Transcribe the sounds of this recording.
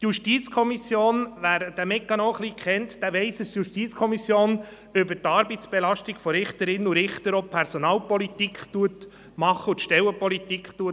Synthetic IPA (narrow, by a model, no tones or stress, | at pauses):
t̪juʃtiːt͡skʰɔmisjoːnʋæːɾd̥æmɛkːɑnoːχliːkʰχɛnt̪d̥æʋɛɪsəstjuʃtiːt͡skʰɔmisjoːn | ʏbəɾtɑɾbit̪t͡sb̥ɛlɑʃtiɡ̥fɔɾɪχt̪əɾɪnːuɾɪχt̪əɾɔpʰɛɾsɔnɑːlpɔlit̪ikχt̪uət | mɑχːəʊt̪ʃtɛwəpɔlit̪ikχt̪uət